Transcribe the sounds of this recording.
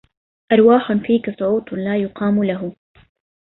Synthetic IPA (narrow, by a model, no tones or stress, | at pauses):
ʔɑɾˤwaːħʊnfiːkasˤʊʕuːt̪ˤnlaːjʊqʰɑːmʊlaɦʊ